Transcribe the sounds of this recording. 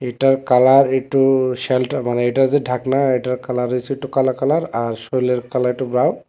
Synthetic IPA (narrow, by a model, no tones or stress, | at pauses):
ejtaɹkalaɹetʊsɛltmanɛɛjtaɹzɛdʱaknaejtaɹkalaɹijsitʊkalakalaɹaɹsojlɛɹkalaɹitubɹaw